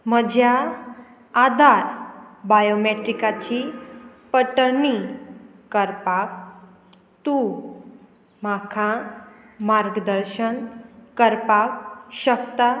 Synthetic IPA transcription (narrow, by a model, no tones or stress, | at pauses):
məd͡ʑʱja | ad̪ʱaɾbajomeʈɾikat͡ɕipəʈəni | kəɾpak̚ | t̪u | makʰã | maɾɡd̪əɾɕənkəɾpakɕəkt̪a